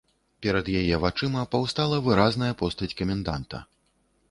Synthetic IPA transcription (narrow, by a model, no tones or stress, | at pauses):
pʲɛɾɐd̪jajɛvat͡ʂɨmɐpawst̪alˠɐvɨɾaznɐjɐpɔst̪ɐt͡sʲkɐmʲɛnd̪a̰nt̪ɐ̰